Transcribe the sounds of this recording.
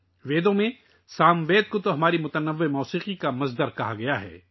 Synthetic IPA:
ʋeːd̪õmẽ | saːmʋeːd̪̚kot̪oɦɐmaːɾimʊt̪ənɐʋːemɔːsiːqikamɐzd̪əɾkɐɦaɡɐjaɦɛ̰ː

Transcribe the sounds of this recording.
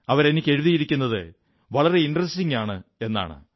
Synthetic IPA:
ɐʋɐɾe̞nikʲːe̞ɻuðijiɾikʲːunːɐðɨ | ʋɐɭɐre̞inɖrɐstiŋaːɳɨe̞nːa̰ːɳɨ̰

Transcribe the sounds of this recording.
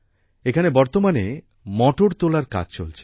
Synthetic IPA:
ekʰanebɔɾt̪omane | mɔʈoɽt̪olaɾka̰d͡ʑt͡ɕo̰lt͡ɕʰe̥

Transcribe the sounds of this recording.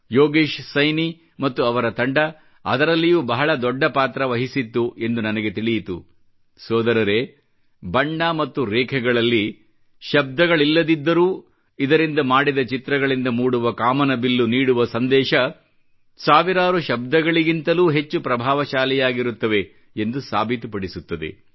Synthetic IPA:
joːɡiːʃsɐjni | mɐt̪ːuɐʋɐɾɐt̪ɐɳɖɐ | ɐ̰d̪ɐɾɐlːijuːbɐɦɐɭɐd̪ɔɖːɐpaːt̪ɾɐʋɐɦisit̪ːuʔe̞nd̪unɐnɐɡe̞t̪iɭijit̪ṵ | sɔːd̪ɐɾɐɾeː | bɐɳːamɐt̪ːuɾɛːkʰɛɡɐɭɐlːi | ʃɐb̚d̪ɐɡɐɭilːɐd̪id̪ːɐɾuː | id̪ɐɾind̪ɐmaːɽid̪ɐt͡ʃit̪ɾɐɡɐɭind̪ɐmuːɽuʋɐkaːmɐnɐbilːuniːɽuʋɐsɐnd̪ɛːʃɐ | saːʋiɾaːɾuʃɐb̚d̪ɐɡɐɭiɡint̪ɐluːɦe̞t͡ʃːupɾɐbʱaːʋɐʃaːlɛjaːɡiɾut̪ːɐʋe̞ | end̪usa̰ːbʱit̪upɐɽisut̪ːɐd̪e̞̰

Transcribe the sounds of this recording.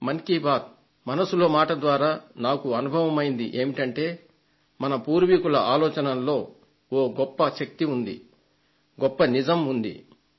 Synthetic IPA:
mɐŋkiːbaːd̪̚ | mɐnɐsulo̞ːmaːʈɐd̪ʋaːɾaːnaːkuɐnubʱɐʋɐmɐjind̪iʔe̞ːmiʈɐɳʈe̞ː | mɐnɐpuːɾʋikulɐʔaːlɔːt͡ʃɐnɐlːo̞ː | oːɡɔpːɐʃɐk̚t̪iund̪ḭ | ɡɔpːɐnid͡ʒɐmund̪ḭ

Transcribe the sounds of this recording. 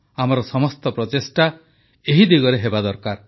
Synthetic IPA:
amɔɾɔsɔmɔst̪ɔpɾɔt̪esʈa | eɦid̪iɡɔɾeɦebad̪ɔɾkaɾ

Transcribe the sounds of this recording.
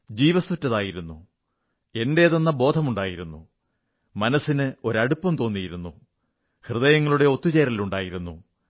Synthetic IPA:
d͡ʑiːʋɐsutːɐðaːjiɾunːu | e̞nde̞ːðo̞nːɐbo̞ːd̪ʱɐmuɳɖaːjiɾunːṵ | mɐnɐsːinɨo̞ɾɐɽupːɐmt̪o̞ːnːijiɾunːu | hrɨðɐjɐŋːɐɭuɽe̞o̞t̪ːut͡ɕe̞ːɾɐliluɳɖaːjiɾunːṵ

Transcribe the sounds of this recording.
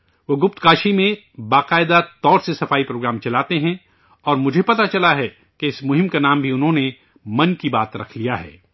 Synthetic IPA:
ʋoːɡʊp̚t̪kaːʃimẽ | baːqaːɪd̪at̪ɔːɾsesɐfaːipɾoːɡɾaːmt͡ʃɐlaːt̪eɦɛ̃ | ɔːɾmʊd͡ʒʱepɐt̪at͡ʃɐlaɦɛ | keɪsmʊɦɪ̃mkanaːmbʱiʊnɦõne | mɐnkibaːt̪ɾɐ̰kʰlijaɦɛ̰ː

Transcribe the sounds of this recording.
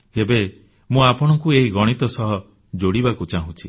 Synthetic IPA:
ebe | mũapɔɽ̃ɔŋkueɦiɡɔɽ̃it̪ɔsɔɦɔ | d͡ʒoɽibakut͡ʃaɦũt͡ʃʰḭ

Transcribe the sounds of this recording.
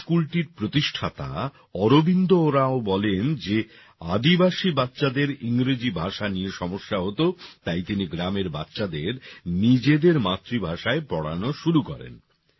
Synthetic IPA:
kulʈiɾpɾot̪iʃʈʰat̪a̰ | ɔɾobind̪ooɾaobɔlend͡ʑe | ad̪ibaʃibatːɕad̪eɾiŋɾed͡ʑibʱaʃanieʃɔmoʃːaɦot̪ot̪ajt̪iniɡɾameɾba̰tːɕad̪eɾnid͡ʑed̪eɾmat̪ːɾibʱaʃaepɔɽa̰noʃuɾukɔɾḛn

